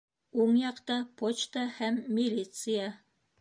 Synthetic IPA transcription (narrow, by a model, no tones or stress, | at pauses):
uɴjɑqt̪ɑpʰot͡ɕt̪ahæmːʲilʲit̪sɨja